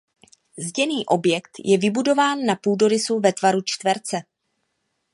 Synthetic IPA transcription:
zɟɛniːʔo̞bjɛkt̪jʔɛvɪbudo̞vaːnːapuːdo̞ɾɪsuvɛt̪vaɾut͡ʃt̪vɛɾt͡sɛ

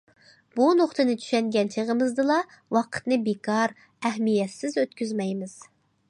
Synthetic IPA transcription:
b̥unoχt̪ɨnɪt͡ʃʰy̥ʃɛŋɡʲɛnt͡ʃʰeʁəmɨzd̪ɨlˠɑ | wɑqʰə̥t̪nɨbekʰɑɾ | ɛhmijɛt̪sɪzøt̪kʲyzmɛjmɪz̥

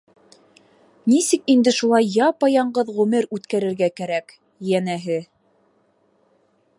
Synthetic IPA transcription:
nisɘkind̪ɘʃulˠɑjːɑpɑjɑɴɢɤðʁɵ̆mɘɾʉt̪kæɾɘ̆ɾɡækæɾæk | jænæɦɘ

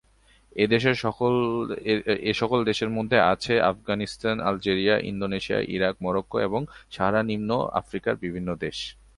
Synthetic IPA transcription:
ed̪eʃeɾʃɔol | eʃɔkold̪eʃeɾmod̪ʱːeat͡ɕʰeʔafɡanist̪ana̰ld͡ʑeɾiaʔḭnd̪oneʃia̰ʔḭɾakmɔɾokːoeboŋʃaɾanimno̰a̰fɾikaɾbibʱinːod̪eʃ

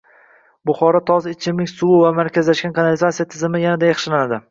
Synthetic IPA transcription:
bʊχɒɾɒt̪ʰɒzɪt͡ʃʰɪmnɪkʲsʊwʊvamaɾkʲʰazlaʃɡʲankʰɑnalɪzat̪sijat̪ʰɪzɪmɪjanad̪ajɑχʃɪlanad̪ɪ

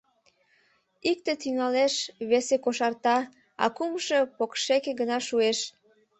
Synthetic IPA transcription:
ik̚t̪et̪yŋɑleʃβesekoʃɑrt̪ɑ | ɑ̰kumʃepokʃekeɡənɑʃueʃ

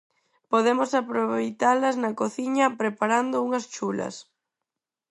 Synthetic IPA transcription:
poðemosapɾoβejt̪alɐznɐkoθiɲɐpɾepaɾand̪ʊuŋɐst͡ʃulɐ̰s

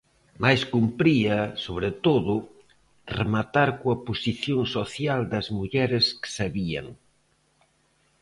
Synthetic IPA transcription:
majskumpɾiɐsoβɾet̪oðʊ | remat̪aɾkoɐposiθjoŋsoθjald̪ɐzmuʎɛɾɪskɪ̥saβiɐ̰ŋ

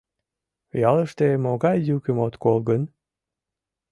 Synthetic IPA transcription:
jɑləʃt̪emoɣɑjjukemot̪kolɣən

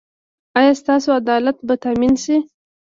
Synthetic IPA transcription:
ajɑst̪ɑsoad̪ɑlat̪bat̪aminsi

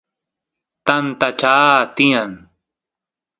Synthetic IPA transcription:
t̪ɐnt̪at͡ʃaːt̪ĩan

